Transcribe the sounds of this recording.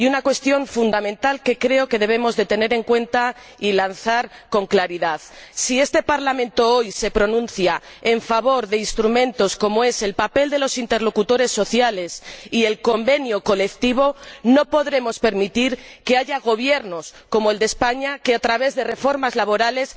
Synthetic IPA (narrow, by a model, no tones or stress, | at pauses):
iunakwe̞st̪jo̞ɱfund̪amẽ̞nt̪alke̞kɾe̞o̞ke̞ð̞e̞β̞e̞mo̞zðe̞t̪e̞ne̞ɾe̞ŋkwe̞nt̪a | ilanθaɾko̞ŋklaɾiðaðsie̞st̪e̞paɾlamẽ̞nt̪o̞o̞jse̞pɾo̞nũnθja | e̞ɱfaβ̞o̞ɾðe̞inst̪ɾumẽ̞nt̪o̞sko̞moe̞se̞lpape̞ld̪e̞lo̞sint̪e̞ɾlo̞kut̪o̞ɾe̞sːo̞θjale̞sie̞lko̞mbe̞njoko̞le̞k̚t̪iβ̞o̞no̞po̞ðɾe̞mo̞spe̞ɾmit̪iɾke̞aʝaɣ̞o̞β̞je̞ɾno̞sko̞moe̞ld̪espaɲake̞at̪ɾaβ̞e̞zðe̞re̞fo̞ɾmazlaβ̞oɾale̞s